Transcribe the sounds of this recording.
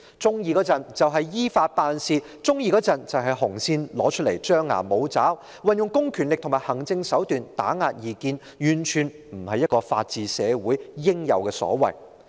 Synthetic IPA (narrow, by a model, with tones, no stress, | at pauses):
t͡sʊ˥ŋjiː˧kɔ˨˧˥t͡sɐ˨nt͡sɐ˨wɦɐ˨jjiː˥faː˧t̚paː˧nsiː˧ | t͡sʊ˥ŋjiː˧kɔː˨˥t͡sɐ˨nt͡sɐ˨˧wɦɐ˨jhʊ˨˩ŋsiː˧nlɔː˨˥t͡ʃʰt̚lḛ˨˩jt͡ʃœː˥ŋːa̰ː˨˩mo˨˧wt͡saː˨˥w | wɐ˨˧njʊ˨ŋkʊ˥ŋkʰyː˨˩nlɪ˨k̚t̪ʰʊ˨˩ŋmaː˨jhɐ˨˩ŋt͡sɪ˧ŋsɐ˨˥wt̪yː˨nt̪aː˨˥ŋaː˧t̚jiː˨˩kiː˧n | jyː˨˩nt͡ʃʰyː˨˩n | m̩˨˩hɐ˨jːɐ˥t̚kɔː˧fa̰ː˧t̚t͡siː˨sɛː˨˧wuː˨˥jjɪ˥ŋjɐ̰˨wkɛː˧sɔ̰ː˨˥wɐ̰˨˩j